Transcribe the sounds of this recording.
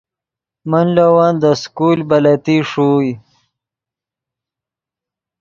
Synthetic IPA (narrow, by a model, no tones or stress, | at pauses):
mənlawaːnd̪əskulbalat̪iʂuj